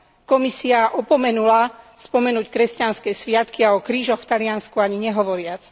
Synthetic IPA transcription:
kɔmisiaʔɔpɔmɛnulaspɔmɛnuːckɾɛscanskɛːsʋɪat̪kiaɔkɾiːʒɔxft̪alɪanskuaɲiɲɛɦɔʋɔɾɪat͡s

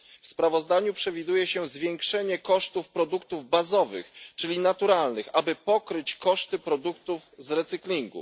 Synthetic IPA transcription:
fspɾavɔzd̪aɲupʂɛvʲid̪ujɛɕɛzvʲjɛŋkʂɛɲɛkɔʂt̪ufpɾɔd̪ukt̪uvbazɔvɘ̰xt͡ʂɘlʲinat̪uɾalnɘxabɘpɔkɾɘt͡ɕkɔʂt̪ɘpɾɔd̪ukt̪uvzɾɛt̪sɘklʲiŋɡṵ

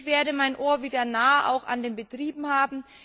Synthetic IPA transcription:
v̥eːɐɾəmaɪnʔoːɐviːdɐnaːəʔa̰ʊxa̰ndeːnbətʁ̥iːbm̩haːbm̩

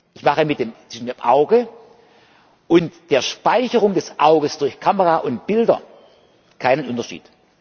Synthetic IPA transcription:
ʔɪçmaχəmɪt̚d̥eːmt͡sv̥ɪʃn̩miːɐmʔaʊɡə | ʔʊntd̥eːɐʃpaɪçəʁʊŋdɛsʔaʊɡəsd̥ʊɐçkʰaməʁaʔʊnt̚b̥ɪldɐ̰ | kʰaɪnənʔʊntɐʃḭːt

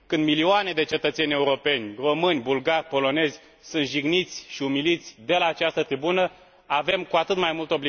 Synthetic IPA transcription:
kɨnd̪milioane̞d̪e̞t͡ʃe̞t̪ət̪se̞nʲe̞uɾo̞pe̞nʲro̞mɨnʲbulɡarʲpo̞lo̞ne̞zʲ | sunt̪ʒiɡnit̪sʲʃiumilit̪sʲd̪e̞laːt͡ʃast̪ət̪ɾibunə | ave̞mkuat̪ɨt̪majmult̪o̞bli

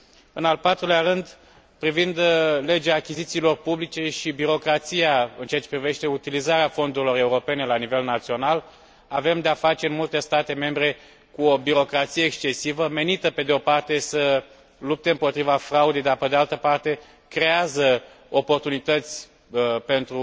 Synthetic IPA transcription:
ɨnalpat̪ɾulearɨnd̪ | pɾivind̪le̞d͡ʒeaːkʲizit̪siːlo̞rpublit͡ʃe̞ʃibiɾo̞kɾat̪sijaɨnt͡ʃeat͡ʃepɾive̞ʃt̪e̞ut̪ilizaɾeafo̞nd̪uɾilo̞re̞uɾo̞pe̞ne̞lanive̞lnat̪sio̞nal | ave̞md̪eafat͡ʃe̞ɨnmult̪e̞st̪at̪e̞me̞mbɾe̞ | kuobiɾo̞kɾat̪sije̞ːkst͡ʃe̞sivəme̞nit̪əpe̞d̪eo̞part̪e̞sə | lup̚t̪e̞ɨmpo̞t̪ɾivafɾaud̪e̞jd̪arpe̞d̪ealt̪əpart̪e̞ | kɾe̞azə | o̞po̞rt̪unit̪ət̪sʲ | pe̞nt̪ɾu

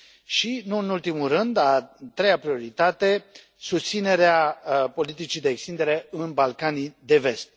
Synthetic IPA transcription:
ʃinuɨnult̪imulrɨnd̪at̪ɾe̞japɾio̞ɾit̪at̪e̞ | sust̪sine̞ɾeapo̞lit̪it͡ʃijd̪e̞ːkst̪ind̪e̞ɾe̞ɨnbalkanijd̪e̞ve̞st̪̚

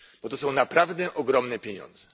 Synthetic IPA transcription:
b̥ɔt̪ɔsɔ̃w̃napɾavd̪ɛʔɔɡɾɔmnɛpʲjeɲɔ̰nd̪zɛ

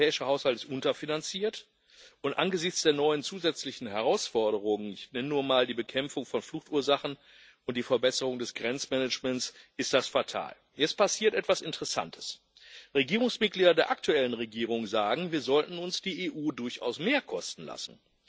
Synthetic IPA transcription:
ɛːɪʃɐhaʊshaltɪstʔʊntɐfinant͡siːɐt | ʔʊntʔa̰nɡəzɪçt͡sd̥eːɐnɔʏənt͡suːzɛt͡slɪçn̩ɦɛʁaʊsfɔɐɾəʁʊŋənɪçnɛnənuːɐmaːldiːbəkʰɛmfʊŋfɔnfluxtʔuːɐzaχn̩ | ʔʊnt̚d̥iːfɛɐbɛsəʁ̞ʊŋdɛsɡ̥ʁɛnt͡smɛnət͡ʃmɛnsʔɪst̚d̥asfatʰa̰ːl | jɛt͡st̚pʰasiːɐtʔɛtv̥asɪntəʁɛsa̰ntʰə̥s | ʁeɡiːʁ̞ʊŋsmɪt̚ɡ̥liːdɐdeːɐʔak̚tʰuɛlənʁeɡiːʁʊŋzaːɡŋ̩viːɐzɔltn̩ʊnsd̥iːʔeːʔuːdʊɐça̰ʊsmeːɐkʰɔstn̩la̰sn̩

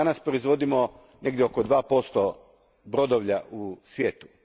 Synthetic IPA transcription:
anaspɾo̞izʋo̞d̪imo̞ | ne̞ɡd̪jeokod̪ʋaːpo̞st̪o | bɾo̞d̪oʋʎaʔusʋjeːt̪u̥

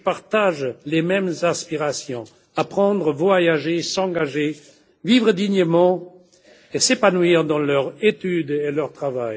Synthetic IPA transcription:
paʁt̪aʒlemɛmzɛ̃spiʁasjɔ̃ | apχɑ̃d̪ʁəvwajaʒesɑ̃ɡaʒe | vivʁəd̪iɲəmɑ̃ | esepanwiʁd̪ɑ̃lœʁet̪yd̪elœʁt̪χavaj

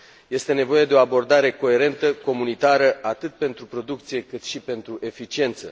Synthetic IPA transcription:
je̞st̪e̞ne̞vo̞je̞d̪e̞o̞abo̞rd̪aɾe̞ko̞e̞ɾe̞nt̪əko̞munit̪aɾəʔat̪ɨt̪̚pe̞nt̪ɾupɾo̞d̪uk̚t̪sije̞kɨt̪ʃipe̞nt̪ɾuʔe̞fit͡ʃie̞nt̪sə̰

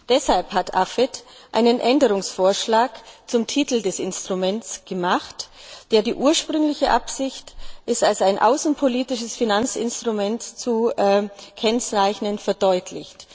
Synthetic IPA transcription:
d̥ɛshalphatʰʔafɛtʔa̰ɪnənʔɛndəʁ̞ʊŋsfoːɐʃlaːkt͡sʊmtʰiːtl̩dɛsɪ̰nstʁ̥umɛnt͡sɡ̥əmaχtd̥eːɐdiːʔuːɐʃpʁ̥ʏŋlɪçəʔapsɪçtʔɪstalsaɪnʔa̰ʊsn̩pʰoliːtɪʃəsfinant͡sɪ̰nstʁ̥umɛntt͡suː | kʰɛnt͡saɪçnənfɛɐdɔʏtʰlɪ̰çt

